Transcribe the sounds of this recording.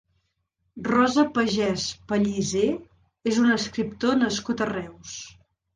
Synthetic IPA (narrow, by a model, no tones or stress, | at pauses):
rɔzəpəʒɛspəʎize | ezunəskɾip̚t̪onəskut̪ərɛws